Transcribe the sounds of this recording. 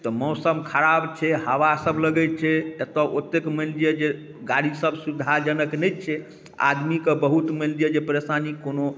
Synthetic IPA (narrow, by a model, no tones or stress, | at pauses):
t̪ɔmɔwsəmkʰəɾabt͡ʃʰɛhəʋasəbʱləɡɛt͡ʃʰɛjət̪ɔʔot̪ːekməld͡ʒijed͡ʒe | ɡaɽisəbʱsud̪ʱad͡ʒənəknɛjt͡ʃʰɛ | a̰d̪mikebəɦut̪məld͡ʒijed͡ʒepəɾesanikono